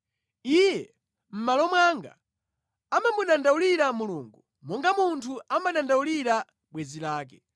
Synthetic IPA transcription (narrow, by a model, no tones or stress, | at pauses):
ijɛ | m̩malɔmwaŋɡa̰ | amamuɗandauliɾamuluːŋɡu | mɔŋɡamuntʰuamaɗandauliɾa | ɓwɛzilaːk̬ɛ